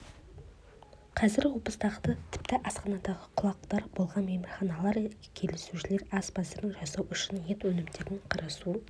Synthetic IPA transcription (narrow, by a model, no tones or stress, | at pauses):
qʰɑzɪɾwo̞pəst̪ɑqt̪ət̪ʰɪ̥pt̪ɪʔɑsqɑnɑd̪ɑʁəqʰʊlˠɑqt̪ɑɾbo̞lˠʁɑnmemɪɾχɑnɑlˠɑɾkʲʰe̞lesuʃɪle̞ɾɑsbɑzeɾɪŋʒɑsɑwʏʃɪnje̞t̪wɵnɪmd̪e̞ɾɪɴqʰɑɾɑsu